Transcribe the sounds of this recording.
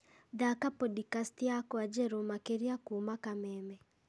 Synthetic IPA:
ðakapɔdikastiakɔad͡ʒɛɾomakeɾiakumakamɛmɛ

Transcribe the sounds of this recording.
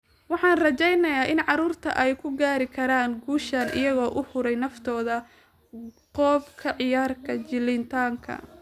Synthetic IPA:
wɑħɑːnrɐt͡ʃɛjnɐjaːʔɪnʕɑɾuːrt̪ʰɐ̰ʔɛjkʰʊɡaːɾɪkʰɐɾaːnɡuːʃɐnʔɪ̰jɐɣɔːʔʊhʊɾɛjnɐft̪ʰɔːðɐ | qɔːbkʰɐʕɪjaːrkʰɐt͡ʃɪlɪnt̪ʰaːŋkʰɐ̰

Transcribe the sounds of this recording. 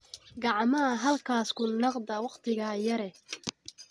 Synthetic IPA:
ɡɑʕmɐɐɦɐlkʰaːskʰʊnːɑqd̪ɐwɑqt̪ʰɪɣɐjɐɾɛ

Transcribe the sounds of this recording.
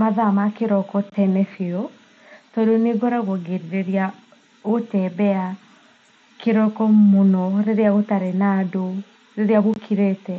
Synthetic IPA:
maðamakeɾɔkɔtɛnɛfeɔ | tɔdoneɡɔɾaɣwɔɡeɾiɾeɾja | otɛbɛa | keɾɔkɔmonɔɾeɾeaɣotaɾenado | ɾeɾeaβokʰiɾetɛ

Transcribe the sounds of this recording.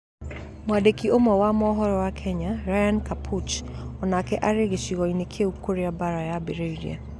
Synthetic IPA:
mwadekiomɔwamɔɦɔɾɔwakʰɛɲaɾajankapʰut͡ʃɔnakɛʔaɾeɣeʃiɣɔinekʰeukoɾeabaɾajabeɾeiɾḭa̰

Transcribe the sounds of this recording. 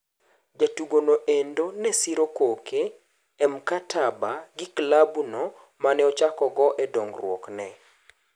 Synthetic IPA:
d͡ʒatuɡonoʔendonɛsiɾokokʰeː | mkatʰabaɡɪklabuno | manɛɔt͡ʃakɔɡɔʔɛdoŋɡrwɔ̰knɛ

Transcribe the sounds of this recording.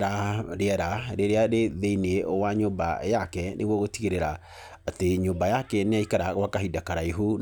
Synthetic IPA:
ɾaɾeɛɾaɾeɾeaɾeðeinewaɲomba̰jakɛnʔḛɣwɔɣotiɣeɾeɾa | ateɲobajakɛneaikaɾaɣwakaɦidakaɾaiɦu

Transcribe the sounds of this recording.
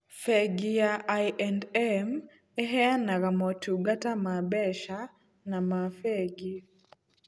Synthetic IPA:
fɛɡijaʔajɛndɛm | ɛɦɛanaɾamɔtuɡatamabɛʃa | namafɛɡi

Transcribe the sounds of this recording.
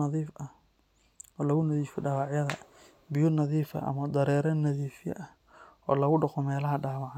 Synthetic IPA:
ɑðiːfʔɐh | ɔːlɐɣʊnɐðiːfɔɖaːwɑʕjɐðɐ̰ | bɪjʊnɐðiːfɐ̰ʔɐ̰mɐd̪ɐɾɛːɾɐnɐðiːfɪjɐ̰ʔɐh | ʔɔ̰ːlɐɣʊɖɔqɔmɛːlɐɦɐɖaːwɑʕ

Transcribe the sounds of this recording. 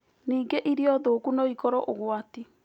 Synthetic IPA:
niːŋɡeʔiɾeɔðokunoikɔɾɔʔoɣwati

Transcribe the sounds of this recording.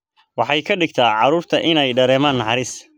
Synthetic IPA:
wɑħɑjkʰɐɖɪɡ̚t̪ʰaːʕɑɾuːrt̪ʰɐʔɪnɛjɖɐɾɛːmaːnːɑħɑɾɪs

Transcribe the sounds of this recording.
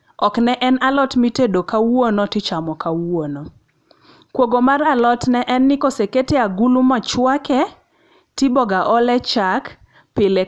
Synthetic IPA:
ɔknɛʔɛnalɔtmitedokawonɔtɪt͡ʃamɔkawono | kwoɡomaralɔtnɛʔɛnːɪkoseketeaɡulumat͡ʃwakɛ | tɪbɔɡaʔɔlɛt͡ʃak | pɪle

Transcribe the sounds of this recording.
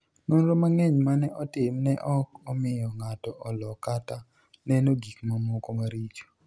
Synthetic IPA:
nonɾomaŋɛɲmanɛʔɔtɪmnɛʔɔk̚ɔmɪjɔŋatɔʔɔlɔkata | nɛnoɡikmamɔkomaɾit͡ʃo̥

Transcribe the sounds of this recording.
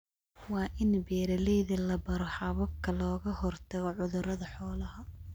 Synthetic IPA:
wɑːʔɪnbɛːɾɐlɛjðɐlɐbɐɾɔħɑβɐb̚kʰɐlɔːɣɐhɔrt̪ʰɐɣɔʕʊðʊɾɐðɐħɔːlɐɦɐ

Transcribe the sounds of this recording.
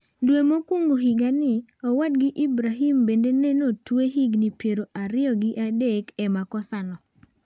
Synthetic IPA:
ndwemokwoŋɡoɦiɡanɪɔwad̚ɡɪʔibɾaɦimbendenɛnotweɦiɡnipjeɾoʔaɾɪɔɡɪʔadekɛmakɔsanɔ

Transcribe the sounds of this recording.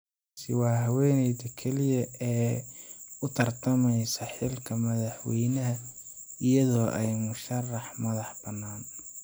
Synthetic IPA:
sɪ̰wɑːɦɐwɛːnɛjd̪ɐkʰɛlɪjɐʔɛː | ʊt̪ʰɐrt̪ʰɐmɛjsɐħɪlkʰɐmɐðɑħwɛjnɐɦɐ | ɪjɐðɔːʔɛjmʊʃɐrːɑħmɐðɑħb̥ɐnːaːn

